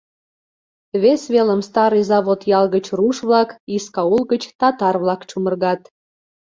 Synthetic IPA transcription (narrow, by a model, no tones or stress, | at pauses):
βesβeləmst̪ɑɾɨzɑβot̪jɑlɣət͡ɕruʃβlɑkiskɑulɣət͡ɕt̪ɑt̪ɑrβlɑkt͡ɕumərɣɑt̪